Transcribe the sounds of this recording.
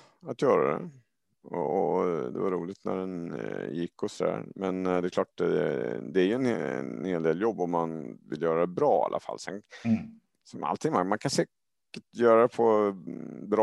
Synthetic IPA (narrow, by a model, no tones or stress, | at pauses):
at̪jœːɾa̰d̪ɛ̰ | ɔ̰ɔd̪ɛ̰vaɾuːlɪt̪næ̰ɖɛnjɪkːɔsɔd̪æ̰ːɾmɛnd̪ɛkʰlɑːʈ̚ɛ̰d̪ɛæɾjɵɛnheːld̪eːljɔbːɔmːanvɪ̰ljœːɾad̪ɛbɾɑːa̰lʔafa̰lːsɛn | sɔma̰lt̪ʰɪŋmamankʰansɛː | kəʈjœːɾad̪ɛpʰɔ | bɾɑ